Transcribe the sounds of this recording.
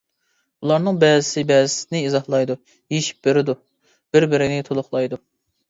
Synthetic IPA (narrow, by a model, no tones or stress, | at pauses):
ulˠɑɾnɨŋbɛzɪsɪbɛzɪsɪnɪizɑhlˠɑjd̪u | jeʃi̥p̚beɾɪd̪u | b̥ɪɾbɪɾɪnɪt̪ʰolˠʊχlˠɑjd̪u